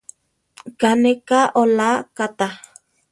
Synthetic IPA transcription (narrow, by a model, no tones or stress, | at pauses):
kanekaʔolakat̪a